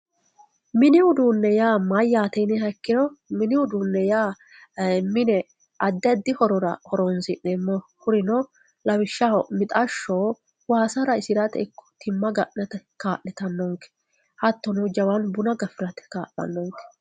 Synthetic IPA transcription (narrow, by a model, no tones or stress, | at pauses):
mɪnɪʊd̪uːnːɛjaːmɐjːaːt̪ɛjnɛɦɐkːɪɾɔmɪnɪʊd̪uːnːɛjaː | mɪnɛ | ʔɐd̪ːɛd̪ːɪhɔɾɔɾɐhɔɾɔnsɪʔɛmːɔhʊɾɪnɔ | lɐwɪʃːɐmɪt̪ʼɐʃːoː | waːsɐɾɐɪsɪɾɐt̪ɛ̰ɪkːɔ̥t̪ʰɪmːɐɡɐʔnɛt̪ɛkaːʔnɛt̪ɐnːɔŋkɛ̥ | hɐt̪ːɔnɔd͡ʒɐwanbʊnɐɡɐfɪɾɐt̪ɛ̥ka̰ːʔɐ̰nːɔŋkɛ̥